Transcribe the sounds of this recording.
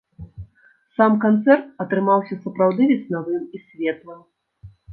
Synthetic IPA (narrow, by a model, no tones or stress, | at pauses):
samkant̪sɛrt̪̚ɐt̪ɾɨmawsʲɐsɐpɾawd̪ɨvʲɛsʲnavɨmisʲvʲɛt̪lˠɐ